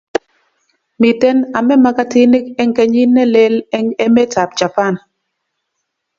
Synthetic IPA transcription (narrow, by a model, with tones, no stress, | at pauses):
mi˨tɛ˦na˨mɛ˦ma˦ka˦tɪ˦ni˦kɛ˦ŋkɛ˦ɲi˦nːɛ˦lɛ˦lɛ˦ŋɛ˦mɛ˦ta˨p̚d͡ʒa˨pa˦˨n